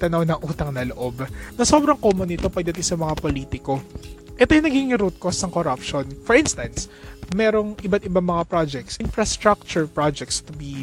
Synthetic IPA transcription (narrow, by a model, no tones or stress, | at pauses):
t̪ɐnownɐŋʔuːt̪ɐŋnɐloʔo̞bnɐso̞ːbɾɐŋkoːmonɪt̪o̞pɐɡ̚d̪ɐt̪isɐmɐŋapoliːt̪ɪko̞ʔɛt̪ojʊnɐɡiŋɪɾut̪̚kosnɐŋkoɾɐpʃonfɔɹinst̪ɐnsmɛːɾo̞ŋʔɪbat̪ɪbaŋmɐŋapɾad͡ʒɛk̚t̪sʔɪnfɹɐst̪ɾak̚t͡ʃʊɹpɹad͡ʒɛk̚t̪st̪ʊbi